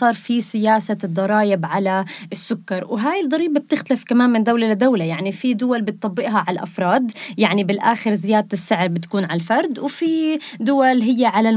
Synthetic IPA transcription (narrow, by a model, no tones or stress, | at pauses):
ɑːɾˤfisɪjaːsad̪ˤːɑɾˤɑːjɪbʕalaɪsːʊkːɑɾˤwɦaːjɪld̪ˤɑɾiːbab̚t̪ɪxt̪alɪfkamaːnmɪnd̪awlalad̪awlajaʕnifid̪ʊwalbɪt̪ˤːɑbːɪʔɦaʕalʔa̰fɾˤɑːd̪jaʕnibɪlʔaːxɪɾzɪjaːd̪̚t̪ɪsːɪʕɾbɪt̪ḁkuːnʕalalfɑɾˤd̪wfid̪ʊwalɦɪjːaʕala